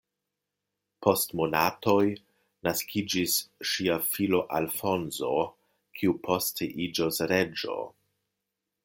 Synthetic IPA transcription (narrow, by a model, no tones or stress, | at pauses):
po̞stmo̞nato̞j | naskʰid͡ʒisʃiafilo̞ʔalfo̞nzo̞ | kʰiupʰo̞steʔid͡ʒosɾe̞d͡ʒo̞̰